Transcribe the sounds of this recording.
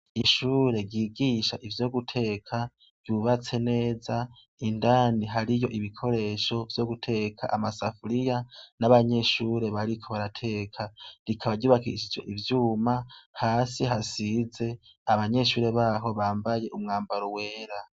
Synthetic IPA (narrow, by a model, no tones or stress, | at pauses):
iʃuːɾe̞ɟiːɡiːʃaʔivjo̞ːɡutʰe̞kʰa | ɾ̥ɟ̥uβat͡se̞ne̞ːza | indaːniɦaɾijo̞ʔiβikʰo̞ɾe̞ʃo̞vjo̞ɡutʰe̞kʰa̰ʔamasafuɾijanaβaɲe̞ʃuːɾe̞βaɾikʰo̞βaɾatʰe̞kʰaɾikʰaβaɟuːβakḭʃid͡ʒe̞̰ʔivjuːmahaːsiɦasize̞ | aβaɲe̞ʃuːɾe̞βaɦo̞βaːmbaje̞ʔumŋaːmbaɾowe̞ːɾa